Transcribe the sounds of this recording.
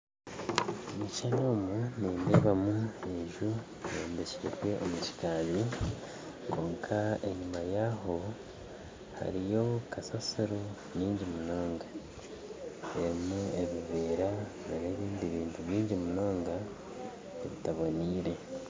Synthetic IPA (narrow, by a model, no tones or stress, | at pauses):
omit͡ʃano̞ːmuniːndeːβamueʒu | neːndecikwe̞ʔo̞mut͡ʃi̥kaːβi | ko̞ːŋkʰae̞̰ɲumajaɦo̞ | ha̰ɾijo̞kasasiɾu | ɲiːɲɟimuno̞ːŋɡa | eɾimueβiβeːɾa | aneːβiːndiβiːntʰuβiːɲɟimuno̞ːŋɡa | eβitaβoniːɾe̞